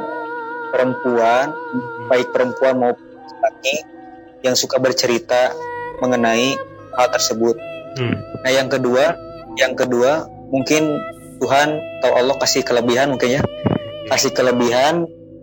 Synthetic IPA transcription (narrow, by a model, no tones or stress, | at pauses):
pəɾəmpuanbaɪk̚pəɾəmpuanmaup | i̥paki | jaŋsukabərt͡ʃəɾit̪aməŋənai | paɦalt̪ərsəbʊt̪̚ | nahjaŋkədua | jaŋkədua | muŋkɪn | t̪uɦant̪awʔalːɔhkasɪhkələbiɦanmuŋkɪnjakasɪhkələbiɦan